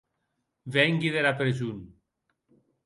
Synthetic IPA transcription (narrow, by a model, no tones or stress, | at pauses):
βɛŋɡiðeɾapɾezun